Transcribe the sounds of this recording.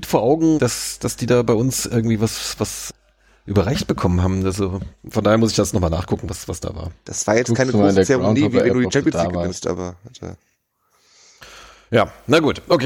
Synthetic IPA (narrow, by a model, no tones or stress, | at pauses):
tfoːɐʔaʊɡŋ̩d̥asd̥asd̥iːdaːbaɪʊnsʔɪɐɡ̚ŋ̩tv̥iːvasvas | ʔyːbɐʁɛçt̚b̥əkʰɔmənɦaːbm̩alzofɔndaːheːɐmʊsɪçd̥asnɔχmaːlna̰ːχkʰʊkŋ̩vasv̥asd̥a̰ːva̰ːɐd̥asv̥aːɐjɛt͡stːkaɪnəasndeɐsɛʁoaʊnivivɛduːit͡ʃɛmpjɔndaiːvaːɪnstʔa̰ːbɐd̥a̰ː | jaːnaɡuːtʔokʰe